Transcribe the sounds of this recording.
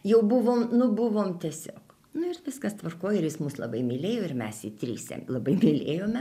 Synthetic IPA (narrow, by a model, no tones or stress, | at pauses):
jɛʊbuʋoːmnʊbʊʋoːmt̪ʲiɛsʲoːk | nʊɪrʋʲɪskɐst̪ʋɐrkoːjɪrjɪsmuːslˠɐbɐɪmʲɪlʲeːjoːɪrmʲɛsit̪ʲɾʲḭːsʲɛ̰lˠɐbɐɪmʲɪlʲeːjoːmʲɛ